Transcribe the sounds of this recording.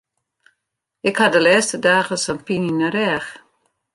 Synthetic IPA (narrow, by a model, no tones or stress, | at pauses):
ɪkhadəlɛːstədaːɣəsənpininəɾɛːx